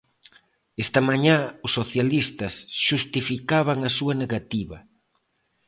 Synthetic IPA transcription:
est̪ɐmaɲãʊsːoθjalist̪ɐsʃust̪ifikaβaŋɐsuɐneɣat̪iβɐ

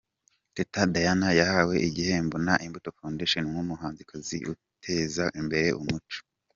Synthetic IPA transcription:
tetadajanajahawe̞ʔiɡihembunaʔimbutofoːndeʃenimŋumuhaːnzikʰazḭʔṵ | tʰe̞zaʔimbe̞ɾe̞ʔumut͡ʃo̥

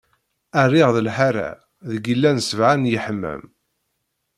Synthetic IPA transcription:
ærːɪʁðəlħaɾa̰ | ðəɡəlːænsəvʕanjəħəmːæ̰m

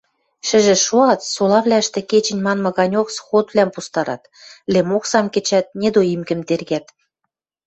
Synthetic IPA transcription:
ʃɘ̆ʒĕʃuɑt̪solɑβlʲæəʃt̪ĕket͡ɕɘ̆nʲmɑnmɑ̆ɣɑnʲoksxot̪βlʲæmpust̪ɑɾɑ̰t̪ | lemoksɑmket͡ɕæt̪̚nʲed̪oimkɘ̆mt̪erɣæt̪

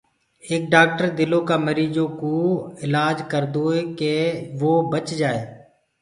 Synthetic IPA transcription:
eːk̚ɖaːk̚ʈəɾd̪ɪlõːkaːməɾiːd͡ʒoːkoːɪlaːd͡ʒkəɾd̪oːeːkeːʋoːbət͡ʃd͡ʒaːeː

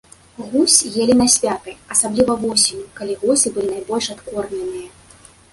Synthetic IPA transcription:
ɣusʲjelʲinɐsʲvʲat̪ɨjɐsablʲivɐvɔsʲimʲukalʲiɣɔsɨbɨlʲinajbɔlʲʂat̪kɔrnʲɛnɨjɐ

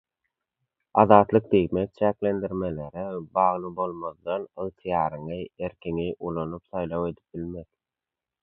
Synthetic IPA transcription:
ɑðɑːt̪lˠɯk̚d̪eɣmek̚t͡ʃʰækle̞nd̪iɾme̞le̞ɾebɑːʁlˠɯbo̞lˠmoðd̪ɑnɯʁt̪ʰɯjɑːɾɯŋɯeɾkʲʰeŋiʔulˠonupθɑjlˠɑwe̞d̪i̥p̚bilme̞ð

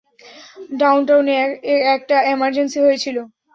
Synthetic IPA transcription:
ɖawnʈawneeɾɛk̚ʈaemaɾd͡ʑensiɦojet͡ɕʰilo

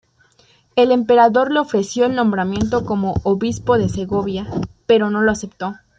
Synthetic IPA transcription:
e̞le̞mpe̞ɾaðo̞ɾle̞o̞fɾe̞sjo̞elnõ̞mbɾamjẽ̞nt̪̬o̞ko̞mo̞ʔːβispo̞ðe̞se̞ɣo̞βjape̞ɾo̞no̞loase̞pt̪o̞

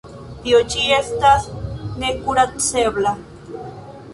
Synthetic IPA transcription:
t̪iot͡ʃiest̪asnekuɾat͡seβla

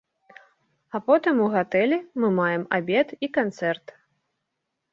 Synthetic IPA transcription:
apɔt̪ɨmuɣat̪ɛlʲɛmɨmajɛmabʲɛt̪ikant̪sɛrt̪

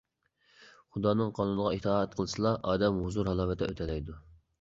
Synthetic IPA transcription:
χud̪ɑːnɨŋqʰɑnunəʁɑit̪ʰɑːɛt̪̚qʰəlˠɨsɨlˠɑʔɑːd̪ɛmɦuzuɾɦɑlˠɑːvɨt̪ʰɛ̰ʔø̰t̪ʰɛlɛjd̪u

